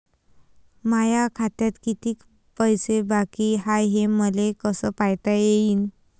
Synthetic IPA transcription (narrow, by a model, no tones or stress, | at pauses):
majakʰat̪jat̪kit̪iːk | pəjsebakiɦajɦeməlekəsəːpajt̪ajeiːn